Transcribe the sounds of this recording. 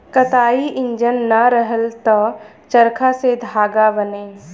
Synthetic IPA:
kət̪aːiʔɪ̃ɲd͡ʒənːɐɾəɦəlt̪ɔ | t͡ʃəɾkʰased̪ʱaːɡabəneː

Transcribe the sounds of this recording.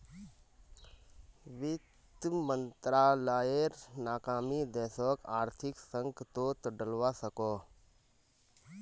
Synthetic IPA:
ʋɪt̪mənt̪ɾaːlaːeɾnaːkaːmiːd̪ɛːsɔːkaːɾt̪ʰɪksə̃ŋɡt̪oːt̪əɖəlʋaːsəkoː

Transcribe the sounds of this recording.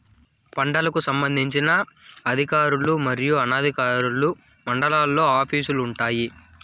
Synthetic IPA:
pɐɳɖɐlɐkusɐmbɐnd̪ʱiɲt͡ʃinɐɐd̪ʱikaːɾulumɐɾijuɐnaːd̪ʱikaːɾulu | mɐɳɖɐlaːlːo̞ːaːpʰiːsuluːɳʈaːji

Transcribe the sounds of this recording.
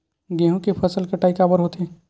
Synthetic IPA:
ɡẽɦũkepʰəsəlkeʈaːikabəɾɦot̪ẽ

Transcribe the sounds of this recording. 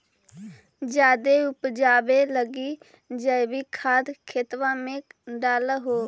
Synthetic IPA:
d͡ʒjaːd̪eʊpd͡ʒaːʋeləɡiː | d͡ʒəbiːkʰaːd̪kʰeːt̪ʋãːmẽɖaːlɦoː

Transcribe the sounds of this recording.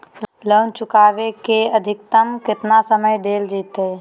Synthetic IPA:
ləːnt͡ʃʊkaːʋekeəd̪ʱɪk̚t̪əmkɪt̪nasəməjɖeːld͡ʒiːt̪ɦɛ

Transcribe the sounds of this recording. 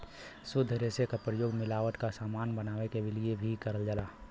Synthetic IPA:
sʊd̪ʱːɾesekapɾəjoːɡmɪlaːʋəʈ̪kasaːmaːnbənaːʋekebɪliebʱikəɾəld͡ʒalaː

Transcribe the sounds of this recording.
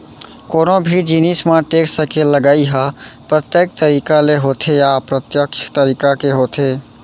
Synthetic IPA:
koːnobʱid͡ʒinismaʈeksəkeləɡaːiɦəpɾət̪jek̚t̪əɾiːkaleɦot̪ʰejapɾət̪jəkt͡ʃʰt̪əɾiːkakeɦot̪ʰe

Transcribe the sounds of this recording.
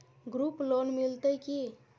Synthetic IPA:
ɡɾuplonmilt̪əjki

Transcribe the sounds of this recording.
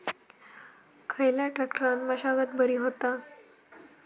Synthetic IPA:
kʰəjljaʈakʈəɾanməɕaɡət̪̚bʱəɾiːɦot̪a

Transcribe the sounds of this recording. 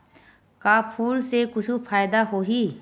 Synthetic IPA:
kapʰuːlsekʊt͡ʃʰupʰaːjd̪aɦoːɦi

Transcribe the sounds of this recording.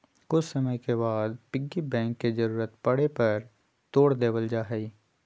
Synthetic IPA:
kʊt͡ʃʰsɐməjkebaːd̪̚pɪɡːibɛ̃ːŋkːezəɾuːɾət̪pɐɽepɐɾ | t̪oːɽd̪eːʋəld͡ʒaːɦɛi

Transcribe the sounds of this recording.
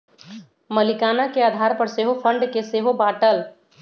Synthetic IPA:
məlɪkaːnakeaːd̪ʱaːɾpəɾseːɦopʰə̃ɳɖkeseːɦobaːʈəl

